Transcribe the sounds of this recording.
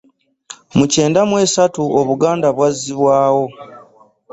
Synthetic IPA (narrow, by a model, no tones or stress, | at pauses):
muce̞ːndamwe̞ːsatuoβuɡaːndaβwazːiβwaːwo̞